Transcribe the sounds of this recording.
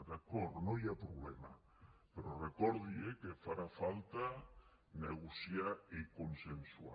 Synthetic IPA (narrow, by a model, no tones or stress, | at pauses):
d̪akoɾnõjapɾoβlɛma | peɾorekoɾðjekefaɾafalt̪a | neɣusjaekonsensua̰